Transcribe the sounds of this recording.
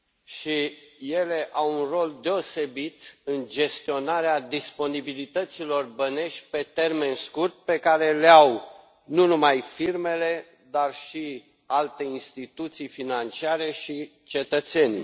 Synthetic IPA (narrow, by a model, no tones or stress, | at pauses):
ʃije̞le̞ʔawunro̞ld̪e̞o̞se̞bit̪ɨnd͡ʒe̞st̪io̞naɾead̪ispo̞nibilit̪ət̪silo̞rbəne̞ʃʲpe̞t̪e̞rme̞nskurt̪̚pe̞kaɾe̞leaw | nunumajfirme̞le̞ | d̪arʃi | alt̪e̞inst̪it̪ut̪sijfinant͡ʃiaɾe̞ʃi | t͡ʃe̞t̪ət̪se̞nʲi